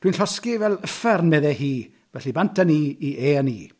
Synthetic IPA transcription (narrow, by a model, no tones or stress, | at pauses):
d̥winɬɔskivɛlˠəfɛrnmeðɛhiː | vɛɬibantʰəniːiʔeːəniː